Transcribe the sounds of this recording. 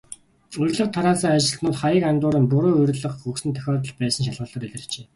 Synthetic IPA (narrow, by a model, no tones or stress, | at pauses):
ɵɾʲɮə̆χt̪ʰaɾaːsəːŋat͡ɕɪ̆ɮnʊːt̪χajə̆kant̪ʊːɾə̆mpʊɾoːɵɾʲɮə̆χxɵksɘ̆nt̪ʰœ̥xʲɔːt̪̬ə̆ɮpæːsə̆nʃ̬aɮʁʊːɮə̆ːɾeɮɘ̆rt͡ɕeː